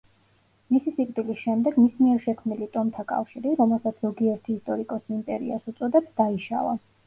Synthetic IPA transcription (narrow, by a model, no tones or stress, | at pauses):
misisikʼt̪ʼilisʃɛmd̪ɛɡmismiɛɾʃɛkʰmnilit̪ʼɔmt̪ʰakʼa̰fʃiɾiɾɔmɛlˠsat̪sʰzɔɡiɛɾt̪ʰiːst̪ʼɔɾikʼɔsiimpʼɛɾḭasut̪sʼɔd̪ɛpsd̪̥aiʃa̰va̰